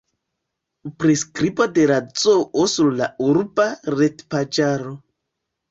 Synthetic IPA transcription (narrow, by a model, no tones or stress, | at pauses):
pɾeskɾibodeɾat͡soʔosuɾlauɾbaɾetpad͡ʒaɾo